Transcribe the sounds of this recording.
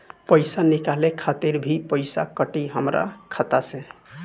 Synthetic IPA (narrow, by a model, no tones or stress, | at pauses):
pəjsanikalekʰat̪iɾbʱipəɪsa̰kəʈiɦəmɾa̰kʰat̪asẽ